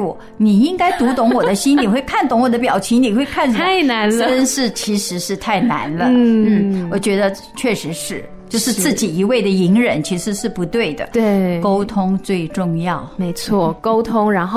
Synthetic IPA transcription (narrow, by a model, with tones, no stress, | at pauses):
wɔ˨˩ | ni˨˩i˥ŋka˥ɪt̪u˧˥t̪ʊ˧˥ŋwɔ˨˩d̪ə˦ɕi˥ni˨˩xwe˥˧ɪkʰa˥˩nt̪ʊ˧˥ŋwɔ˨˩d̪ə˦pjɑ˨˩ʊt͡ɕʰi˧˥ŋni˨˩xwe˥˧ɪkʰa˥˩nʂa˥˩na˧˥nlə˥nʂɻ̩˥˩t͡ɕʰi˧˥ʂɻ̩˧˥ʂɻ̩˥˧t̪ʰa˥˩ɪna̰˧˥nlə˧n̩˥˩wɔ˨˩t͡ɕɥɛ˧˥d̪ə˧ | t͡ɕʰɥɛ˥˩ʂɻ̩˧˥ʂɻ̩˥˩ | t͡ɕjo˥˧ʊʂɻ̩˧t͡sɹ̩˥˩t͡ɕi˨˩i˧˥we˥˩ɪd̪ə˩i˧˥ŋɻə˧˥nt͡ɕʰi˧˥ʂɻ̩˧˥ʂɻ̩˥˩pu˧˥t̪we˥˩ɪd̪ə̰˩t̪we˥˩ko˥ʊt̪ʰʊ˥ŋt͡swe˥˧ɪʈ͡ʂʊ˥˧ŋjɑ˥˩ʊme˧˥ɪt͡sʰwɔ˥˩ko˥ʊt̪ʰʊ˥ŋɻa˧˥nxo˥˧